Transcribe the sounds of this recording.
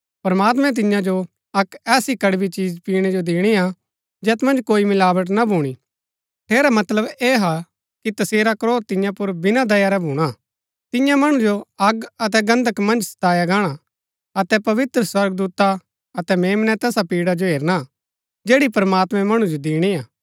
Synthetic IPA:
pɐɾmaːt̪̬mɛ̃t̪̬ɪjãd͡ʒo | ɐkɛːsikɐɽbit͡ʃiːd͡ʒpiːɽ̃ɛd͡ʒod̪ɪːɽ̃ia | d͡ʒɛːt̪mɐ̃nd͡ʒkoːimɪlaːʋəʈ̬nabʱuːɽ̃i | ʈʰeːɾamɐt̪ləbeːɦa | kit̪ɐseːɾakɾoːɾt̪ɪjãpʊɾbɪnad̪ɐjaɾɛbʱuːɽ̃a | t̪ɪjãmɐɽ̃ũd͡ʒoɐɡɐt̪̬ɛɡɐ̃nd̪ʱəkmɐ̃nd͡ʒsɐ̥t̪aːjaɡaːɽ̃a | ɐt̪ɛpɐʋɪt̪ɾəswɐɾɡd̪uːt̪a | ɐt̪ɛmeːmnɛt̪ɛːsapiːɽad͡ʒoɦeːɾna | d͡ʒeːɽipɾmaːt̪mɛ̃mɐɽ̃ũd͡ʒod̪ɪːɽ̃iaː

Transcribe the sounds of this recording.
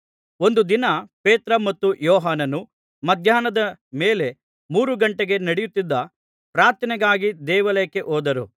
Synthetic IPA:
o̞nd̪ud̪inɐpeːt̪ɾɐmɐt̪ːujɔːɦaːnɐnu | mɐd̪ʱjaːnɐd̪ɐme̞ːle̞ | muːɾuɡɐɳʈeɡe̞nɐɽejut̪ːid̪ːɐ | pɾaːɾt̪ɐnɛɡaːɡid̪ɛːʋɐlɐɐkːe̞ʔoːd̪ɐɾṵ

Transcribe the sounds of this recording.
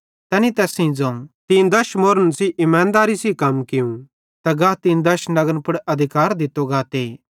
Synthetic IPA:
t̪ɛːnit̪ɛːsĩd͡zɐ̃ũt̪ĩːd̪ɐɾʃmoːɾənsiʔɪmãːnd̪aːɾisikɐmkɪjũ | t̪ɐɡaːt̪ĩːnd̪ɐɾʃnɐɡənpʊɽɐd̪ʱɪkaːɾd̪ɪt̪ːoɡaːt̪eː

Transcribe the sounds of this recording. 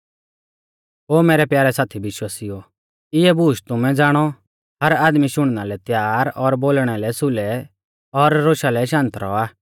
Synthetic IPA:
ɦoːmɛːɾɛpjaːɾɛsaːt̪ʰibɪʃwasiɔ | ɪɛbuːʃt̪ʊmɛ̃d͡zaːɽ̃ɔ | ɦɐɾaːd̪miʃʊɽ̃nalɛt̪jaːɾɔɾboːlɽ̃alɛsʊlɛ | ɔɾːoːʃalɛʃãːnt̪ɾɔ̰aː

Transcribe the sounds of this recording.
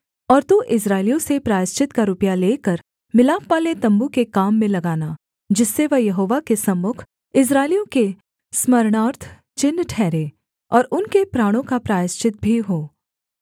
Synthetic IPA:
ɔːɾt̪uʔɪs̬ɾaːɪlijõsepɾaːjɪst͡ʃɪt̪kaɾʊpjaleːkəɾ | mɪlaːfpaːlet̪ɐ̃mbukekaːmːẽlɐɡaːna | d͡ʒɪsːeʋɐɦjɐɦoːʋakesɐmːʊkʰ | ɪs̬ɾaːɪlijõke | smɐɾɽ̃aːɾt̪ʰ | t͡ʃɪnːʈʰɛːɾeː | ɔːɾʊnkepɾaːɽ̃õkapɾaːjɪst͡ʃɪt̪̚bʱiɦoː

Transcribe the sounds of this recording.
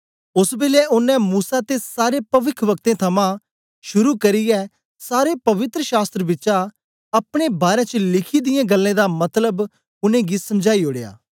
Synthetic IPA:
ʊsbɪlɛʔʊnːɛ̃muːsat̪esaːɾepɐʋɪkʰʋɐk̚t̪ẽt̪ʰɐmã | ʃʊɾukɐɾɪjɛ | saːɾepɐʋɪt̪ɾəʃaːst̪ɾəbɪtːt͡ʃa | ɐpɽ̃ebaːɾɛ̃t͡ʃəlɪkʰid̪ɪjẽɡɐlːẽd̪amɐt̪ləb | ʊnẽɡisɐmd͡ʒaːioːɽeja̰ː

